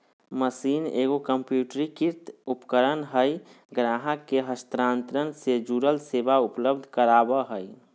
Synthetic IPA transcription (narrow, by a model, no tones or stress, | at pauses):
məsiːneːɡokəmpjuːʈɾikiɾt̪upkəɾənɦəj | ɡɾaːɦakeɦəst̪ɾãːnt̪ɾənsed͡ʒuɾəlseːbaʊpləb̚d̪ʱkəɾaːbəɦəj